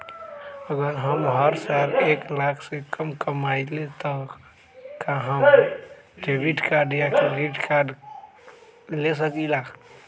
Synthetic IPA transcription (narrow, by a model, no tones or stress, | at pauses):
əɡəɾɦəmɦəɾsaɾeklakʰsẽkəmkəmailet̪ɔ | kãɦəm | ɖebiʈkaɾɖjakiɾiʈkaɾɖ | les̬əkilakʰ